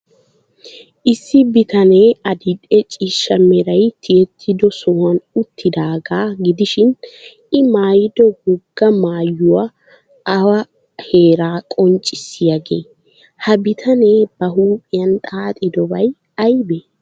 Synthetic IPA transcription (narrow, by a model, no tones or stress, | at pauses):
ʔɪsːɪbɪt̪ɐneːɐd̪ɪd̪ʼɛt͡ʃʼiːʃːɐmɛɾɐjt̪ʰɪjɛt̪ʰːɪd̪ɔsɔwɐnʊt̪ːɪd̪aːɡaːɡɪd̪ɪʃɪn | ɪmaːjɪd̪ɔɡɔɡːɐmaːjːʊwa | ɐwɐ | he̞ːɾaːkʼɔnt͡ʃʼɪsːɪjɐɡḛː | hɐbɪt̪ʰɐne̞ːb̥ɐɦuːpʼɪjɐnt̪ʼaːt̪ʼɪd̪ɔbɐj | ɐjbɛ